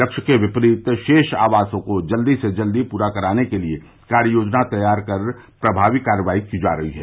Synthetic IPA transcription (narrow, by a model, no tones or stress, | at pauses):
ɐkʃəkeʋɪpɾiːt̪ʃeːʃaːʋaːsõkod͡ʒɐld̪ised͡ʒɐld̪ipuːɾakɐɾaːnekelie | kaːɾjoːd͡ʒnat̪ɐjaːɾkɐɾ | pɾɐbʱaːʋikaːɾjəʋaːikid͡ʒa̰ːɾɐɦiɦɛː